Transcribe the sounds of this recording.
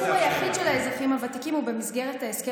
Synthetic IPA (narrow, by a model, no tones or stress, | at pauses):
uajaχidʃelaezʁaχimhavatikimube̞mizɡe̞ʁetaeske